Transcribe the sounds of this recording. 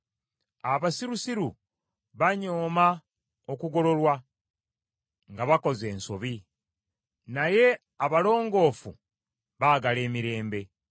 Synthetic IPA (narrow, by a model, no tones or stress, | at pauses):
aβasiɾusiɾu | βaɲo̞ːma | okuɡo̞lo̞lwa | ŋɡaβako̞ze̞ːnso̞βi | naje̞ | aβalo̞ːŋɡo̞ːfṵ | βaːɡale̞ːmiɾe̞ːmbe̞